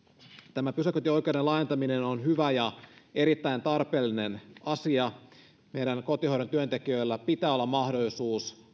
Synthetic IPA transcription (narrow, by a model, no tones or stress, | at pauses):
t̪æmæpysøkøt̪io̞jke̞ude̞lɑjet̪ɑminenonɦyʋæjɑe̞ɾit̪ːæjnt̪ɑrpe̞ːlːine̞nɑsiɑ | mejɾæŋko̞t̪ihoiɾent̪yønt̪e̞kiø̞ilːæpit̪æːolːɑmːɑhdo̞lːisuːs